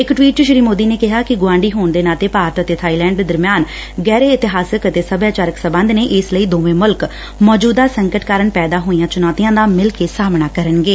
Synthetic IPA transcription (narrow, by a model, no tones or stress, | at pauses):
ɪkʈwiːʈ̚d͡ʒɪʃɾiːmoːd̪iːneːkɪɦaːkɪɡʊʋãːɳɖiːɦoːnd̪eːnaːt̪eːpaːɾət̪ət̪eːt̪ʰaːiːlɛ̃ːɳɖed̪əɾmjaːn | ɡɛːɾeːɪt̪ɪɦaːsəkət̪eːsəbjaːt͡ʃaːɾəksəbənd̪neːʔɪsləiːd̪oːʋẽːmʊlk | mɔːd͡ʒuːd̪aːsəŋkəʈkaːɾəɳpɛːd̪aːɦoːijãːt͡ʃʊnaːt̪ijãːd̪aːmɪlkeːsaːmnaːkəɾənɡeː